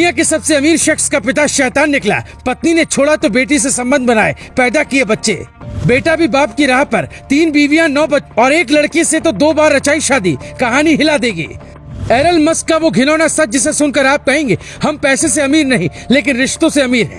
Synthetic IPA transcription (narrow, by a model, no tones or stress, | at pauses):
ijãkesɐbseɐmiːɾʃɐxskapɪt̪aʃɛːt̪aːnːɪkla̰ː | pɐt̪ninet͡ʃʰoːɽat̪obeːʈ̬isesɐ̃mbə̃nd̪̚ʱbɐnaːe | pɛːd̪akiebɐtːʃḛːbeːʈabʱibaːpkiɾaːɦpɐɾt̪iːnbiːʋijãnɔːbɐɔːɾeːk̬lɐɽkiset̪od̪oːbaːɾːɐt͡ʃaːiʃaːd̪ikɐɦaːniɦɪlad̪ẽːɡḭː | ɛːɾəlmɐskːaʋoɡʱɪnoːnasɐd͡ʒɪsesʊnkɐɾaːp̚kɐɦẽːŋɡe | hɐmpɛːseseɐmiːɾnɐɦĩ | leːk̬ɪnɾɪʃt̪õseɐmiːɾɦɛ̰̃ː